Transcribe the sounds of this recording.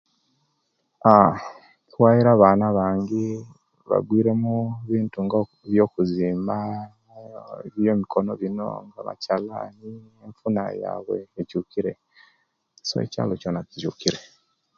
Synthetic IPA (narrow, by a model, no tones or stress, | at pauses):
a | twaːjiɾaːβaːnaβaːŋɡi | βa̰ɡwiːɾe̞muβiːntuŋɡa | βjo̞ːkuziːmba | βjomikʰo̞no̞βino̞̰ŋɡa̰βa̰cala̰nieɱfuna̰ja̰ːβwḛecukiɾe̞ | so̰ḛca̰ːlo̞coːnatizukiɾe